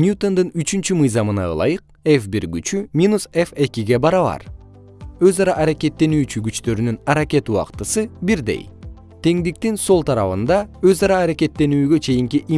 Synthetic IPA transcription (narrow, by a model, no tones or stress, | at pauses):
nʲjut̪o̞nd̪ɯnyt͡ʃynt͡ʃymɯjzɑmɯnɑ̰ɯ̰lˠɑ̰jɯq̚ | e̞fbiɾɡyt͡ʃymʲinusefe̞kʲiɡe̞bɑɾɑβɑ̰ɾ | ø̞zɑɾɑʔːɾake̞t̪ːe̞nyːt͡ʃyɡyt͡ʃt̪ø̞ɾynynɑɾakʲe̞t̪uɑ̰qt̪ɯsɯbiɾd̪e̞̰j | t̪ʰe̞ŋd̪ik̚t̪inso̞lˠt̪ʰɑɾɑβɯnd̪ɑø̞zɑɾɑːɾake̞t̪ːe̞nyːɡø̞t͡ʃʰe̞jiŋkiʔi